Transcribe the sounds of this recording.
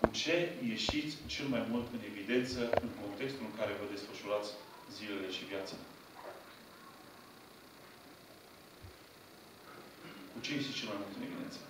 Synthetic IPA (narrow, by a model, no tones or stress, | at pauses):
kut͡ʃe̞je̞ʃit̪sʲt͡ʃelmajmult̪ɨne̞vid̪e̞nt̪səɨŋko̞nt̪e̞kst̪ulɨŋkaɾe̞vəd̪e̞sfəʃuɾat̪sʲ | zile̞le̞ʃivjat̪sə | kut͡ʃe̞jeʃit̪ʲt͡ʃe̞lmajmult̪ɨne̞vid̪e̞̰nə̥